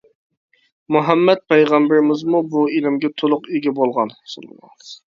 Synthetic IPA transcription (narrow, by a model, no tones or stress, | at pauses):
muɦɛmːɛt̪̚pʰɛjʁɑmbɪɾɪmɪzmubuelɪmɡʲɛt̪ʰolˠʊqeɡʲɛbolˠʁɑnsol̰ˠmɑ̰